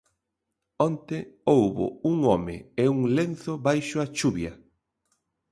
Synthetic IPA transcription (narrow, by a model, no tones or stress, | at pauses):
ɔnt̪eowβʊ̰uŋɔmɪ̰euŋlenθʊβajʃʊat͡ʃuβjɐ